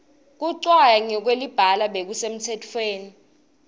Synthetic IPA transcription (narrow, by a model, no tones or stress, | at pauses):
k̬uǀwajaŋɛk̬welib̥ʱalaɓek̬usem̩tʰɛtʰweːni